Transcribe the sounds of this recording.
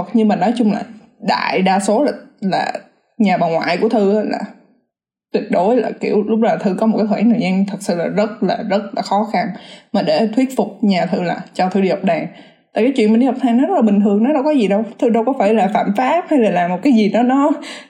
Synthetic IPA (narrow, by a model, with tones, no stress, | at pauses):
t̚ɲɨ˧maː˨˩nɔ˨˦jt͡ɕʊ˧ŋ͡mla̰ː˨˩ | ɗa̰ː˧˨jɗaː˧so˨˦laː˨˩la̰ː˨˩ | ɲaː˨˩ɓaː˨˩nŋwa̰ː˧˨jku˧˩ət̪ʰɨ˧la̰ː˨˩ | t̪wi˧˩ət̚ɗo˨˦jla̰ː˨˩ki˧˩əwlʊ˦˥k͡p̚naː˨˩t̪ʰɨ˧kɔ˨˦mo˨˩t̚kaː˨˦hʰxʰːnaː˨˩ɲaː˧ŋt̪ʰə˨˩t̚sɨ̰˧˨laː˨˩zə˦˥t̚laː˨˩zə˦˥t̚laː˨˩xɔ˨˦xa˧nmaː˨˩ɗe˧˩t̪ʰwi˦˥ət̚fʊ˨˩k͡p̚ɲaː˨˩t̪ʰɨ˧la̰ː˨˩t͡ɕɔ˧t̪ʰɨ˧ɗi˧˩hɔ˨˩k͡p̚ɗaː˨˩ŋ | t̪a̰ː˧˨jkːa˨˦jt͡ɕwḭ˧˨nmaː˨˩ɗi˧ha˨˩k͡p̚t̪ʰaː˨˩ŋnɔ˨˦z̚laː˨ɓï˨˩ŋ̟t̪ʰɨ˨˩əŋnɔ˨˦ɗə˧wkɔ˨˦zi˨˩ɗə˧wt̪ʰɨ˧ɗə˧wkɔ˨˦faː˧˩jlaː˨˩fa̰ː˧˨mfaː˦˥p̚ha˧jlaː˨˩laː˨˩mːo˨˩t̚kaː˨˦jzi˨˩ɗɔ˨˦nɔ˨˦